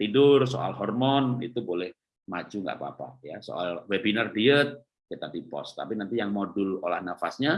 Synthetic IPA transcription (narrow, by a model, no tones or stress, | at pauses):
t̪idʊrso̰ʔa̰lɦɔrmɔnḭt̪ubolɛh | mad͡ʒuŋɡa̰ʔpaːpa̰jaso̰ʔalwebinardiət̪̚ | kit̪adipɔ̰st̪apinant̪ijaŋmodʊlolahnafasɲa